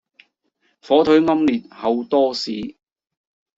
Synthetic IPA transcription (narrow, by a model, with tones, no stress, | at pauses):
fɔː˨˥t̪ʰɵ˨˥ɥŋɐ˥mliː˨˩t̚hɐ˨˧wt̪ɔː˥siː˨˥